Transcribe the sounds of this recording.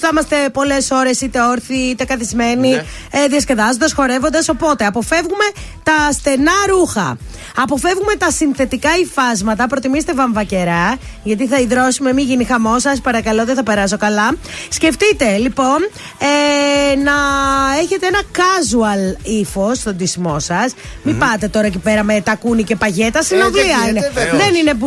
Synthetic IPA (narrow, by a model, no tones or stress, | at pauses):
θɐmɐst̪e̞po̞le̞so̞ɾe̞sit̪e̞oɾθiit̪e̞kɐθizme̞ni | ðiɐsce̞ðɐzond̪ɐsxo̞ɾe̞vo̞nd̪ɐso̞po̞t̪e̞ɐpo̞fe̞vɣume̞t̪ɐsθe̞nɐɾuxɐ̰ | ɐpo̞fe̞vɣume̞t̪ɐsinθe̞t̪ikɐifɐzmɐt̪ɐpɾot̪imist̪evɐɱvɐce̞ɾɐʝɐt̪̬iθɐiðɾo̞sume̞miʝinixɐmo̞sɐspɐɾɐkɐlo̞ðeθɐpe̞ɾɐso̞kɐlɐsce̞ft̪it̪e̞lipo̞n | enɐe̞çe̞t̪eenɐkɐzuɐlifo̞st̪o̞nd̪isimo̞sɐs | mipɐt̪e̞t̪o̞ɾɐecipe̞ɾɐme̞t̪ɐkunice̞pɐʝe̞t̪ɐsinovlliɐineðe̞nine